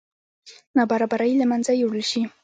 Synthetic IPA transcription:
nabaɾabaɾajlamanzajoɽəlʃi

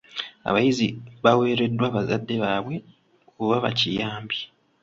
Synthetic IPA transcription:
a̰βajiziβawe̞ːɾe̞dːwaːβazadːe̞βaːβwe̞ | oβaβa̰cijaːmbji

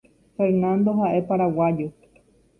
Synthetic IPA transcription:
feɾnãnd̪o̞ɦaʔe̞paɾawajo

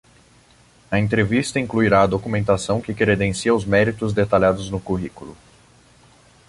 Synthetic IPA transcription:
ɐẽnt̪ɾevist̪ɐĩŋkluiɾaɐd̪okumẽnt̪asɐ̃w̃kɪkɾed̪ẽsiɐʊzmɛɾit̪ʊzd̪et̪aʎad̪ʊznʊkuɦikulʊ

